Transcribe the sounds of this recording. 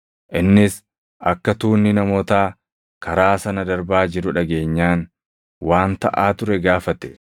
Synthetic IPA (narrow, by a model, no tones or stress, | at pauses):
ʔɪnːɪs | ʔɐkːɐt̪uːnːɪnɐmoːt̪aː | kʰɐɾaːsɐnɐd̪ɐɾbaːd͡ʒɪɾʊᶑɐɡe̞ːɲːaːn | waːnt̪ɐ̰ʔaːt̪ʊɾɛɡaːfɐt̪ɛ̥